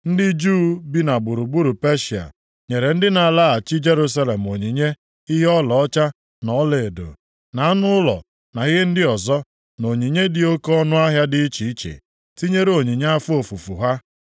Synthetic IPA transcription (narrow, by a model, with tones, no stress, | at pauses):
n̩˦dɪ˦d͡ʒuː˦bi˦na˨ɡ͡bu˨ɾu˨ɡ͡bu˦ɾu˨pe˦ʃi˨a̰˨ | ɲe˨ɾe˨n̩˦dɪ˦na˨la˦a˨t͡ʃi˦d͡ʒe˦ɾu˦s̬a˦le˨m̩˨o˨ɲi˨ɲe˦ | i˦ɦe˦ɔ˦lɔ˨ɔ˦t͡ʃa˦ | nɔ˨˦le˨e˨do̰˨ | na˨a˦nʊ˦ʊ˦lɔ̰˨ | na˨ɣɪ˦e˦n̩˦dɪ˦ɔ˨zɔ˦ | no˨ɲi˨ɲe˦dɪ˨o˦kɔ˦nʊ˦a˦ɦja˦dɪ˦i˦t͡ʃi˨i˦t͡ʃḛ˨ | ti˦ɲe˦ɾo˨ɲi˨ɲe˦a˦fu˦o˨fu˨fṵ˨ɦa˦